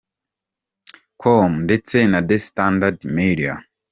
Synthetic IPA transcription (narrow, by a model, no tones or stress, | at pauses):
kʰomndet͡senadestandadmiɾia̰